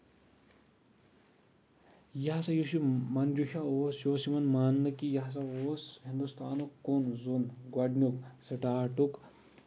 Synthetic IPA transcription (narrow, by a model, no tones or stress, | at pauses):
jɐɦsɐjusimɐnd͡ʒuʃaoːsjoːsimɐnmaːnːɐkijɐɦs̬ɐoːshind̪ust̪aːnukːonzunɡwɐɖnʲuksɐʈaːʈuk